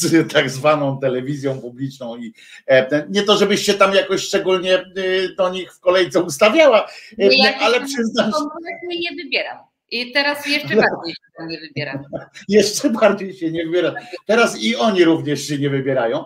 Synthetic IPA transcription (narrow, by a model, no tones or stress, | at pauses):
t̪ʰaɡzvanɔ̃w̃t̪ɛlɛvʲizʲjɔ̃w̃publʲit͡ʂnɔ̃w̃i | ɛɲɛt̪ɔʐɛbɘɕt͡ɕɛt̪amjakɔɕʂt͡ʂɛɡulɲɛd̪ɔɲixfkɔlɛjt̪sɛust̪avʲjawa | ʔalɛpʂɘznaɛɲɛɲɛvɘbʲjɛɾa̰m | it̪ɛɾasjɛʂt͡ʂɛbaɾd͡ʑejɕɛt̪ɔɲɛvɘbʲjɛɾa̰jɛʂt͡ʂɛbaɾd͡ʑejɕɛɲɛvɘbʲjɛɾat̪ɛɾasiɔɲiɾuvɲɛʂɕɛɲɛvɘbʲjɛɾajɔ̃w̃